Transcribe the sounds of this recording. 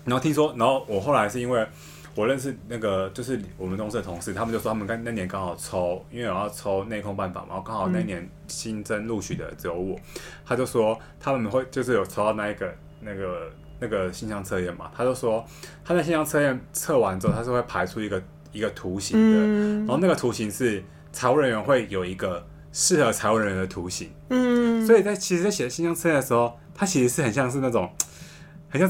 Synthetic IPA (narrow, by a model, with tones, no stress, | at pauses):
n˨˧˥xo˥˩t̪ʰi˥s̬wɔ˥na˧˥nxo˥˩ʊwɔ˨˩xo˥˩ʊla˧˦ɪʂɻ̩˥˩i˥nwe˥˩ɪ | wɔ˨˩lə˥˧nʂ̬ɻ̩˥˧na˥˩ɡə˩t͡ɕjo˥˧ʊʂ̬ɻ̩˥˩wɔ˨˩mə˨nt̪ʰʊ˥ŋʂ̩˧˥d̪ə˩t̪ʰʊ˧˦ŋʂɻ̩˥˩t̪ʰa˥mə˨t͡ɕo˥˧ʊ˩wʰa˥mə˨˩ka˥na˥˩˥njɛ˨˦nkɑ˥ŋxɑ˨˩ʊt͡sʰo˥ʊi˥nwe˥˩˨jɑ˥˧ʊt͡sʰo˥ʊne˥˧ɪkʰʊ˥ŋpa˥˩nfa̰˨˩na̰˨˦xo˥˩kɑ˥ŋxɑ˨˩ʊna˥˩i˥˩njɛ˧˥˦n | ɕi˦˥nt͡sə˦˥nlu˥˧t͡ɕʰy˨˩d̪ə̰˨t͡so˧˥ʊu˥˩t̪ʰa˥t͡ɕjo˥˧ʊ˩ʂwɔ˥ | t̪ʰa˥mə˨nxwe˥˧ɪt͡ɕjo˥˧ʊʂ̬ɻ̩˥˩jo˨˩ʊt͡sʰo˥ʊd̪ɑ˥˧na˥˧i˥˩ɡə˩ | na˥˩ɡə˩ | na˥˩ɡə˩ɕi˥˧nɕjɑ˥˧ŋt͡sʰɤ˥˧ɥɛ˥˩nma̰˩t̪ʰa˥t͡ɕjo˥˧ʊʂwɔ˦˥ | t̪ʰa˥n˥˩ɕ̬i˥˧ɕjɑ˥ŋt͡sʰɤ˥˧ɥɛ˥˩˨nt͡sʰɤ˥˩wa˧˦nʈ͡ʂɔ˥t̪ʰa˥ʂɻ̩˥˧we˥˩ɪpʰa˧˥ɪʈ͡ʂʰu˥i˧˥ɡə˨ | i˧˦ɡə˨t̪ʰu˨˧˦ɕi˨˧˥ŋd̪ə˦ɻa˧˥ho˥˧na˥˩ɡə˨t̪ʰu˧˥ɕi˧˥ŋʂɻ̩˥˩ | t͡sʰa˨˧˥ɪwu˧˥ɻə˧˦nɥɛ˧˥nxwe˥˩ɪjo˨˩ʊi˧˦ɡə˧ | ʂɻ̩˥˩xə˧˦t͡sʰa˨˧ɪwu˧˩ɻə˧nɥɛ˧˦nd̪ə˨˩t̪ʰu˨˧˥ɕḭ˧˦ŋswɔ˧˥i˨˩t͡sa˥˩ɪt͡ɕʰi˧˥ʂɻ̩˧˥t͡sɕjɛ˨˩˦ɕi˥˧ɕjɑ˥˧ŋt͡sʰɤ˥˧jɛ˥˨nə˩ʂ̩˧˦xo˥˩ʊ | t̪ʰa˥t͡ɕʰi˧˥ʂɻ̩˧˥ʂɻ̩˥˩xə˨˩nɕjɑ˥˧ŋʂ̬ɻ̩˥˧na˥˩ʈ͡ʂʊ˨˩ŋ | xə˨˩nɕj